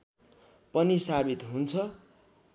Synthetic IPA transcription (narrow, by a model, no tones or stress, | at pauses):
pʌnisabit̪ɦunt͡sʰʌ